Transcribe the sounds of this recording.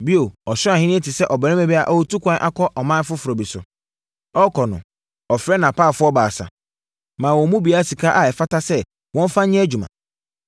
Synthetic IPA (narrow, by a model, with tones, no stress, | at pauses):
bi˦o˨ɔ˨ɕɪ˦ã˨hɪ̃˦nɪ̃˦ɛ˦tʰɪ˨sɛ˦ʔɔ˨bɛ˨ɪ̃˦mɛ̃˨˦bɛ˦a˨ʔɔ˦wo˦tʰu˦kʷʰã˦n˦ʔa̰˦kʰɔ˦ʔɔ˨mã˦n˦fʊ˦fʊ˨ɾɔ˨bi˨sʊ̰˨ | ɔ˦kʰɔ˨nʊ̰̃˨ | ɔ˨fɾɛ˦nã˨pʰaː˦˨fʊ˦ɔ˦baː˨sa̰˨ | mãː˨wɔ̃˨˦mũ˦bi˨a˦a˦si˨kʰa˦ʔa˨ɛ˨fa˦tʰa˦sɛ˦ | wɔ̃˦n˦fã˦ɲɪ̃˦æ˦d͡ʑu˨mã̰˨